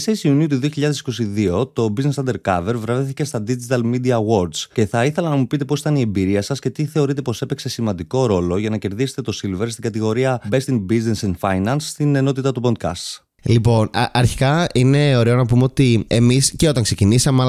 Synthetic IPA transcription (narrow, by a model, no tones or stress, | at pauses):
seisiuniut̪uðioçiʎɐðesi̥ko̞siðio̞t̪o̞biznesɐnd̪eɾkɐve̞ɾvɾɐviθice̞st̪ɐd̪id͡ʒit̪ɐlmid̪iɐɣo̞ɾd̪sce̞θɐiθe̞lɐnɐmupit̪e̞poit̪ɐnie̞mbiɾiɐsɐsce̞t̪iθe̞o̞ɾit̪̬e̞po̞se̞pekse̞simɐnd̪iko̞ɾo̞lo̞ʝɐnɐce̞ɾðise̥t̪e̞t̪osilve̞ɾst̪iŋɡɐt̪iɣo̞ɾiɐbe̞st̪iŋbiznesenfɐjnɐnsːt̪ine̞no̞t̪it̪ɐt̪upo̞nd̪̚kɐ̰st̪ | lipo̞nɐɾçi̥kɐine̞o̞ɾeonɐpumeot̪ie̞misceo̞t̪ɐŋkse̞cinisɐmeɐ